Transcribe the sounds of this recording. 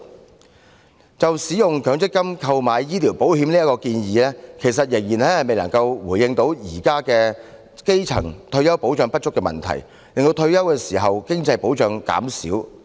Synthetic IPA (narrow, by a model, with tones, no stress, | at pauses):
t͡sɐ˨wsiː˨˥jʊ˨ŋkʰœː˨˥ŋt͡sɪ˥kːɐ˥mkʰɐ˧wmaː˨˧jːiː˥liː˨˩wpo˨˥whi˨˥mniː˥ɐ˥kɔː˧kiː˧njiː˨˧lɛː˥kʰe˨˩jsɐ˨t̚jɪ˨˩ŋjiː˨˩nhɐ˨˥hɐ˨jme˨jlɐ˨˩ŋkɐ˧wwuː˨˩jːɪ˧ŋt̪o˨˥wjiː˨˩kaː˥kɛː˧ | ke˥jt͡sʰɐ̰˨˩ŋt̪ʰɵ˧ɥjɐ˥wpo˨˥wt͡ʃœː˧ŋpɐ˥t̚t͡ʃːʊ˥kːɛː˧mɐ̰˨nt̪ʰɐ̰˨˩j | lɪ˨ŋt̪o˧wt̪ʰɵ˧ɥjɐ˥wkɛː˧siː˨˩ɦɐ˨wkɪ˥ŋt͡sɐ˧jpo˨˥wt͡ʃœː˧ŋka̰ː˨˥msḭ˨˥w